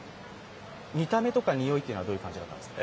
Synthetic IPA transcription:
mʲit̪ame̞t̪o̞kaɲ̟ijo̞it̪ːei̟oad̪oːjɯ̟kãɲd͡ʑid̪at̪ːã̰nd̪eska

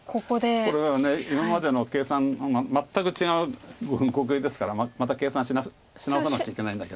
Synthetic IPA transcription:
kʰokod̪eo̞ɾe̞ββane̞imamad̪e̞no̞ke̞ːsãnmmat̪ːakɯ̟t͡ɕiɡaɯ̟ɡɯ̃ŋkok̬ɯ̟id̪e̞sɨ̥kaɾamamat̪̬ake̞ːsãɕina | ɕinaɯanakt͡ɕaikeaĩnd̪ake̞d̪o

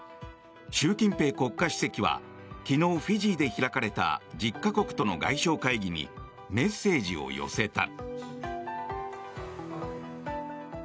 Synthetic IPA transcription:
ɕɨːkʲĩmpe̞ːko̞kːaɕɨ̥se̞kʲiβa̰ | kʲino̞ːɸiʑiːd̪e̞çiɾakaɾe̞t̪a̰d͡ʑikːako̞kɯ̥t̪o̞no̞̰ɡa̰iɕo̞ːkaiɡʲiɲ̟ḭ | me̞sːe̞ːd͡ʑḭo̞̰jo̞̰se̞t̪a̰

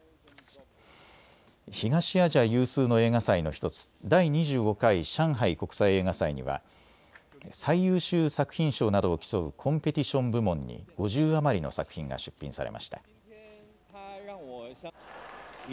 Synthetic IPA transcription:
çiɡaɕiaʑajɯ̟ːsɨːno̞e̞ːŋasainoçi̥t̪o̞t͡sɨ̥d̪aiɲ̟iʑɨːɡo̞kaiɕãɰ̃ɦaiko̞kɯ̥saie̞ːŋasaiɲ̟ḭβa̰ | saijɯːɕɨːsakɯ̟̥çĩɰ̃ɕo̞ːnad̪o̞ːkʲi̥so̞ɯ̟kʰõ̞mpe̞t̪ʲiɕõ̞mbɯ̟mõ̞ɲ̟ːḭɡ̥o̞ʑɨːamaɾʲino̞̰sakɯ̟̥çĩŋɡa̰ɕɨ̥pʲːḭ̃ɰ̃saɾe̞̰mʔa̰ɕi̥t̪a

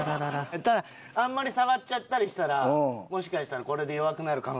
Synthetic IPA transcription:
aɾad̪aɾat̪ad̪a | ãmːaɾʲisaɡat͡ɕt͡ɕːat̪ːaɾʲiɕi̥t̪aɾaomo̞ɕ̬i̥kaɕi̥t̪aɾako̞ɾe̞d̪ejoβakɯ̟naɾɯ̟kãŋ

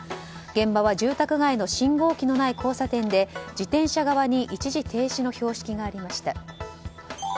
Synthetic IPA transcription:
ɡẽ̞mbaβad͡ʑɨːt̪akɯ̟ɡaino̞ɕĩŋɡo̞ːkʲino̞naikʰo̞ːsat̪ẽ̞nd̪e̞d͡ʑit̪ẽ̞ɰ̃ɕaɡaβaɲ̟iʔit͡ɕiʑit̪ʰe̞ːɕino̞ço̞ːɕi̥kʲiɡaːɾʲimaɕi̥t̪a

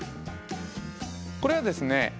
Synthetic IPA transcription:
koɾe̞βad̪e̞sɨne̞

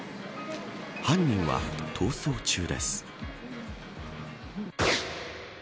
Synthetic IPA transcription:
hãɲ̟ːĩɰ̃βa̰t̪ʰo̞ːso̞ːt͡ɕɨːd̪e̞̰sɨ̥

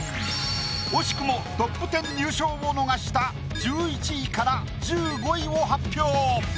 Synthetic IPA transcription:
mo̞ɕi̥kɯ̟mo̞t̪o̞pːɯ̟t̪ẽ̞ɲːɨːɕo̞ːβono̞ɡaɕi̥t̪a | d͡ʑɨːit͡ɕiikaɾa | d͡ʑɨːɡo̞iβoɦapʲːjo̞ː

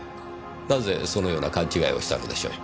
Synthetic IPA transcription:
naze̞so̞no̞jo̞ːnakãɲ̟t͡ɕiɡaḭo̞ɕi̥t̪a̰no̞̰d̪e̞ɕo̞̰ː

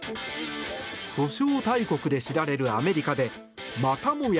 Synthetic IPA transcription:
ɕo̞ɕo̞ːt̪aiko̞kɯ̟d̪e̞ɕiɾaɾe̞ɾɯ̟ame̞ɾʲikad̪e̞ | mat̪amo̞j

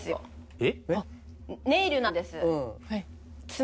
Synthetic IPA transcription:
sɨjo | e | neiɾɯ̟nãnd̪e̞sɨɯ̃ha | t͡sɨ

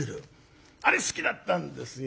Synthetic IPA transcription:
ɾɯ | aɾesɨ̥kʲid̪at̪ːand̪esj

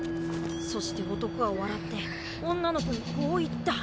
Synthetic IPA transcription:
so̞ɕi̥t̪e̞ɡo̞t̪o̞kɯ̟βaoβaɾat̪ːe̞ | õ̞nːano̞koɲ̟iko̞ːit̪ːa

